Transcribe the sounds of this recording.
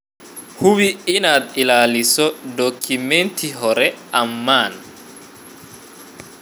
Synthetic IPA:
huwiinad̪ilalisɔdokʰːimentiɦɔɾɛʔamːan

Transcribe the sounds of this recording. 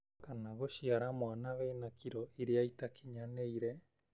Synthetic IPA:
kanaɣoʃiaɾamoanaβeinakiɾoiɾeaitakʰiɲaneiɾe

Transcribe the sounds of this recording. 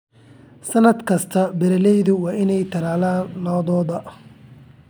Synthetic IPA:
sɐnɐd̪kʰɐst̪ʰɐbɛɾɐlɛjðʊwɑːʔɪnɛjt̪ʰɐlaːlaːnlɔːðɔːðɐ

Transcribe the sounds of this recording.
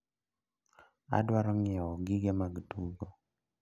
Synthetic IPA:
a̰dwaɾɔŋɛwɔɡiɡɛmaɡduɡɔ

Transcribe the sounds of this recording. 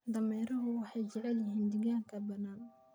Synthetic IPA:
d̪ɐmɛːɾɐɦʊwɑħɑjd͡ʒɛʕɛljɪɦind̪ɪɡaːŋkʰɐbɐnaːn

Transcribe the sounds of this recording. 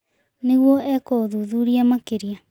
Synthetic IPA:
neɣuɔʔɛkoðuːðuɾiamakeɾia

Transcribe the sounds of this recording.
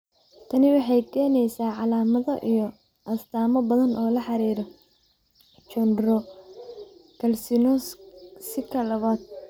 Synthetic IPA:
t̪ʰɐnɪwɑħɑjkʰɛːnɛjsaːʕɑlaːmɐðɔʔijɔ | ʔɐst̪ʰaːmɐbɐðɐnʔɔːlɐħɑɾiːɾɔ | t͡ʃɔnrɔ | kʰɐlsɪnɔsɪkʰɐlɐβaːd̪̚

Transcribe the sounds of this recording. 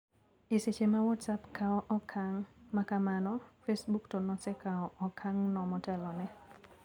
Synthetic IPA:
ɪset͡ʃemawɔtsapkaɔʔɔkʰaŋmakamanɔfesbuktɔnɔsɛkaɔʔɔkʰaŋnɔmɔtɛlɔnɛ

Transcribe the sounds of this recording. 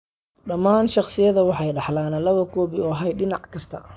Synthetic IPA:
ɖɐmaːnʃɑqsɪjɐðɐwɑħɑjɖɑħlaːnɐlɐβɐkʰɔːβɪɔːɦɐjɖɪnɑʕkʰɐst̪ʰɐ̰

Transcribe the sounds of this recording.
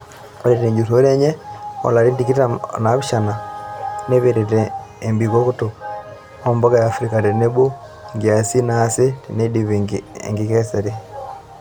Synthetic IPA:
oɾeteɲd͡ʒutoɾeɲeo̰laɾindikianaβiʃananeβeɾeteːmbiɡokuto | omboɡajaːfɾikaɾeneβo | ŋɡiasinasetinediβiḛŋɡikeseɾi

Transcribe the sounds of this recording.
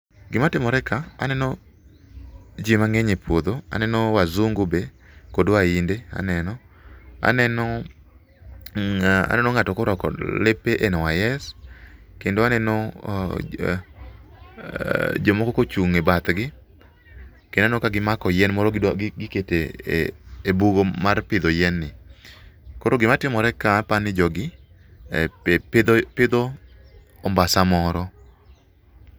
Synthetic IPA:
ɡɪmatɪmɔɾɛkaa̰nɛnɔ | d͡ʒimaŋeɲepwod̪oa̰nɛnɔwazuŋɡobe | kodwaindea̰nɛnɔ | a̰nɛnɔ | a̰nɛnɔŋatɔkoɾɔkɔ̰lepeʔenɔwajɛs | kendoanɛnɔ | d͡ʒomɔkɔkot͡ʃuŋebat̪ɡɪ | kenanokaɡɪmakɔjɛnmɔɾɔɡɪketeː | buɡomarpɪd̪ɔjɛnːɪ | koɾoɡɪmatɪmɔɾɛkapanɪd͡ʒɔɡɪ | pd̪pɪd̪oː | mbasamɔɾɔ

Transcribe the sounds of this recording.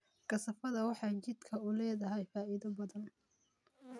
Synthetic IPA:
ɡ̥ɐsɐfɐðɐwɑħɑjt͡ʃɪd̪kʰɐʊlɛːðɐɦɛjfaːɪðɐbɐðɐn

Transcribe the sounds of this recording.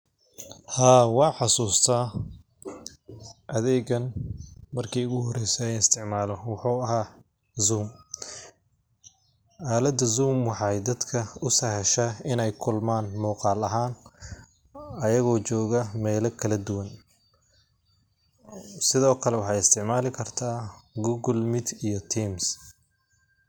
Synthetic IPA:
haːwɑːħɑsuːst̪ʰɐ | ʔɐðɛːɣɐnmɐrkʰɛjʊɣʊɦɔrɛjsɛɛnɪst̪ʰɪʕmaːlɔwɑħuːɐɦaː | zuːm | aːlɐd̪ɐzuːmwɑħɑjd̪ɐd̪kʰɐʊsɐhɛʃɐɪnɛjkʰʊlmaːnmɔːqɑːlɐɦaːn | ɐjɐɣɔːt͡ʃɔːɣɐmɛːlɐkʰɐlɐd̪ʊwɐn | sɪðɔːkʰɐlɛwɑħɑjɪst̪ʰɪʕmaːlɪkʰɐrt̪ʰaːɡuːɣʊlmɪd̪ijɔt̪ʰims

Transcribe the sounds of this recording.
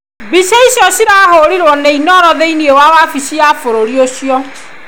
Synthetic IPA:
biʃeiʃjɔʃiɾahoɾiɾwɔnɛinɔɾɔðeiniewawafiʃiafoɾoɾioʃijɔ

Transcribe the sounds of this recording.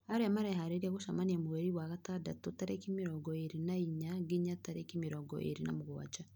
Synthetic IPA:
haɾɛmaɾɛɦaɾeɾiaɣoʃamaniamuwɛɾiwaɣatadatotaɾekimiɾɔɡɔeɾinaiɲaɡiɲataɾekimiɾɔɡɔ̰ʔḛɾinamuɣa̰d͡ʒa

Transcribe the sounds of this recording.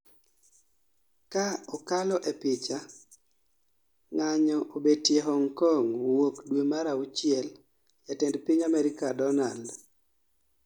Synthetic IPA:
kaɔkalɔʔepɪt͡ʃa | ŋaɲɔʔobedtjeɦɔŋkɔŋwokdwemaɾaut͡ʃɪɛl | jatɛndpiɲamɛɾɪkadɔnald

